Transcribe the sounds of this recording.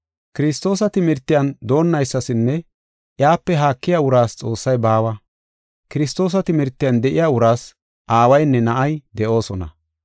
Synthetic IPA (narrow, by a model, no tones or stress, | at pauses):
kɪɾɪst̪ːo̞ːsɐt̪ɪmɪɾt̪ːɪjɐnd̪o̞ːnːɐjsːɐsɪnːɛ | ʔjaːpːɛɦaːkːɪjaːʊɾaːst͡sʼo̞ːsːɐjbaːwɐ | kɪɾɪst̪ːo̞ːs̬ɐt̪ɪmɪɾt̪ːɪjand̪ɛʔɪjaːʊɾaːs | ʔaːwɐjnːɛnɐʔɐjd̪ɛʔo̞ːsɔnɐ̰